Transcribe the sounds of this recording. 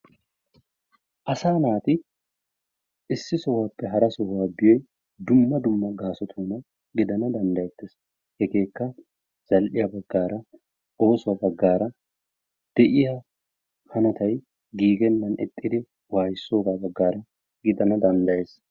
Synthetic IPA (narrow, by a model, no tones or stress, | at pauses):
ʔɐsaːnaːt̪ɪ | ʔɪsːɪsɔwaːpːɛɦɐɾɐsɔhwaːbɪjɔj | d̪ʊmːɐd̪ʊmːɐɡaːsɔt̪ʰuːnɐ | ɡɪd̪ɐnɐd̪ɐnd̪ɐjɛt̪ːɪs | hɛɡe̞ːkːɐ | z̥ɐlʔɪjɐbɐɡːaːɾɐ | o̞ːsʊwɐbɐɡːaːɾɐ | d̪̥ɛʔɪja | hɐnɐt̪ɐj | ɡiːɡɛnːɐnɛ̰t̪ʼːɪd̪ɪ | waːjɪsːo̞ːɡaːbɐɡːaːɾɐ | ɡɪd̪ɐnɐd̪ɐnd̪ɐjeːs